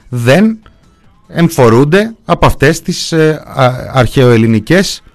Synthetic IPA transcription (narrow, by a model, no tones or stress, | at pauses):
ðe̞n | eɱfo̞ɾund̪e̞ɐpoɐft̪e̞st̪is | ɐ̰ɾçe̞o̞e̞linice̞s